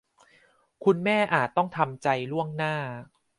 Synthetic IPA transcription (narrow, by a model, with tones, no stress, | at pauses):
kʰu˧nmɛː˥˩ʔaː˨˩t̪ːɔ˥˩ŋt̪ʰa˧mt͡ɕa˧jlu˥˩əŋnaː˥˩